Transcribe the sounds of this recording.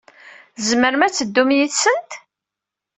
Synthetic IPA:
zməɾmæt͡sːəd̪ːumjiθsənt̪

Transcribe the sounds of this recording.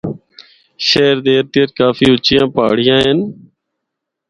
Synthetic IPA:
ʃeːɾd̪eːɾt̪ɪjəɾkaːfiːʊt͡ʃɪjãːpa̰ːɽ̤ɪjãːɦen

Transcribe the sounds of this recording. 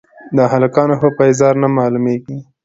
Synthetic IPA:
d̪ɑɦalakɑnohopajzɑɾnamɑlumeɡi

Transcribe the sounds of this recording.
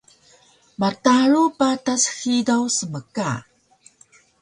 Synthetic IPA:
mataɾupatasxidawsəməka

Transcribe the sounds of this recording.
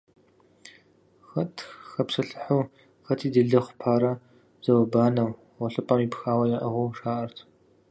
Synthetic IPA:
xɐtʰxɐpsɨɬɨħuw | xɐtʰiːdɨɮɨχʷpʰaːɾɐ | z̥ɐwɐbaːnɐw | ʁɔɬɨpʼɐmipxaːwɐjaʔɐʁʊʂaːʔɐrtʰ

